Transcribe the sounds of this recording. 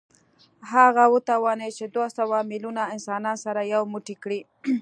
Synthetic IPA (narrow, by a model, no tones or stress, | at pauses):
ɦaɣawət̪awɑnəjt͡ʃed̪wosawamilunaɪnsɑnɑnsaɾajawmuʈikɽi